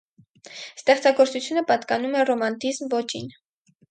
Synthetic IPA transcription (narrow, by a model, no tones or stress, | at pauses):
st̪ɛχt͡sɑɡɔɾt͡sut͡sʰjunəpɑt̪kɑnumɛrɔmɑnt̪izmvɔt͡ʃʰḭn